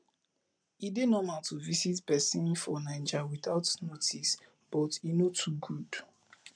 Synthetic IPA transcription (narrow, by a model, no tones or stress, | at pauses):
idenɔmaltʰuvisitpɛsĩnfɔnãɪ̃nd͡ʒawiθaʊtnotʰis | b̥ɔtinotʰuɡud̥